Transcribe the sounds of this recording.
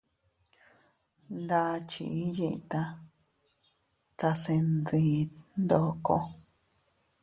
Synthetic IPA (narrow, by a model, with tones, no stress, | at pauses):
nd̪a˦˧t͡ʃḭ˧˨i˦ji˧ʔt̪a˧ | t͡s̪a˧se˧nd̪i˧nd̪o˧˨ko˧